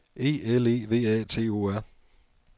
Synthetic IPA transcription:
e̝̰ːele̝̰ːʋe̝̰ːɛ̰ːt͡sʰe̝̰ːoːæɐ̰

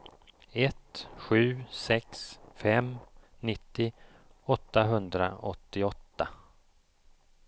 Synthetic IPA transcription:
ɛt̪ɧʉ̟ːsɛksfɛmnɪt̪ːɪ | ɔt̪ːaɦɵnd̪ɾa̰ɔt̪ːɪɔt̪ːa

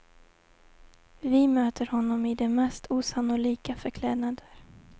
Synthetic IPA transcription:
vɪmøːt̪ʰəɾhɔnːɔmɪd̪ɛmɛst̪ʰuːsanʊliːkafœɾkʰlɛːd̪nad̪əɾ

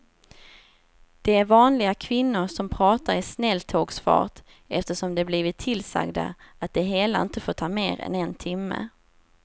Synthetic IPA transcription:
d̪̥ɛæɾvɑːnlɪɡakʰvɪnːʊɾʂɔmpʰɾɑːt̪aɾɪsnɛlt̪ʰoːɡsfɑ̰ːʈ | ɛft̪əʂɔmd̪ɛbliːvɪt̪ʰːɪlsa̰ɡd̪a̰at̪̚d̪ɛɦeːlaɪnt̪əfoːʈ̪tʰɑːmeːɾɛ̰nɛnt̪ʰɪmːə̰

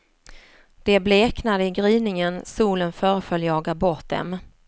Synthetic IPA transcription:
d̪̥ɛbleːknad̪əɪɡɾiːnɪŋənsuːlənfœːɾəfœljɑːɡabɔɾʈ̪̚d̪ɛ̰m

